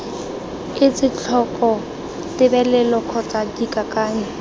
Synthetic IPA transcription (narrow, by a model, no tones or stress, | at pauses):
ɪt͡sʼɪt͡ɬʰɔkʼɔ | tɪbɛlɛlɔkʰɔt͡sʼadikʼakʼaːɲɛ